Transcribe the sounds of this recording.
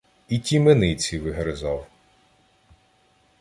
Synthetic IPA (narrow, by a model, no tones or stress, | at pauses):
itʲimenɪt͡sʲiʋɪɦɾezɑw